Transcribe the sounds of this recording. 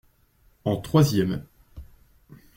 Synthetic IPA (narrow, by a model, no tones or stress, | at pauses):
ɑ̃t̪χwazjɛm